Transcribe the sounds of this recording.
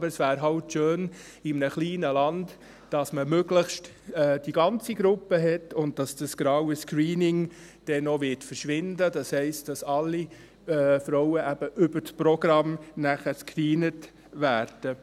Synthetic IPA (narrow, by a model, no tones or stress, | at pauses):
bəɾəsʋæːɾɦɑwtʃøːn | ɪmnəχliːnəlɑnd | d̥ɑsməmøɡləχʃtː | d̥iɡɑnt͡siɡɾʊpːəɦɛtʊndd̥ɑsd̥ɑsɡ̥ɾɑwəskɾiːnɪŋ | d̥ɛnoʋɪtfəɾʃʋɪndəd̥ɑshɛɪst̚d̥ɑsɑlːi | ɛːfɾɔʊəʔæb̥əʔʏbətpɾɔɡɾɑmnæχəskriːnət | ʋæːɾd̥ə